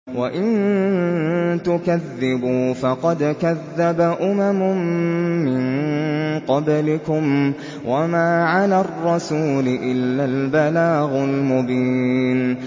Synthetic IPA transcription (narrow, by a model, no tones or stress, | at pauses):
waʔɪn | t̪ʊkaðːɪbuːfɑqɑd̪kaðːabaʔʊmamʊmːɪn | qɑblɪkʊm | wʔamaːʕalarˤːɑsuːlɪʔɪlːalbalaːɣʊlmʊbiːn